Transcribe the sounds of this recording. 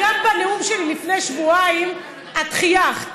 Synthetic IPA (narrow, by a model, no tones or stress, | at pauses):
ambaneumʃellifnejʃvuaim | at̪χijaχ